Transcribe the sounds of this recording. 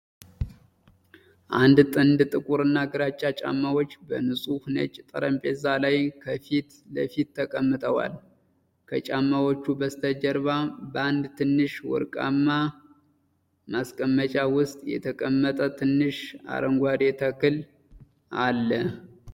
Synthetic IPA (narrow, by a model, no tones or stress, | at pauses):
ʔand̪t̪ʼɨnd̪t̪ʼɨkʼuɾɨnːaɡɨɾat͡ʃʼːat͡ʃʼa̰mːawo̞t͡ʃːbənɨsʼuhnə̰t͡ʃʼːt̪ʼəɾəmpʼezalajkʰəfit̪ | ləfit̪ːʰəkʼəmːɨt̪ʰʼəwa̰l | kʰət͡ʃʼamːawot͡ʃːubəst̪ʰəd͡ʒəɾβabəand̪t̪ʰɨnːɨʃwɔ̰ɾkʼa̰mːa | maskʼəmːət͡ʃʼawʊst̪ʼjɛ̰t̪ʰəkʼəmːət̪ʼət̪ʰɨnːɨʃa̰ɾəŋɡʷad̪et̪ʰəkːɨl | alːə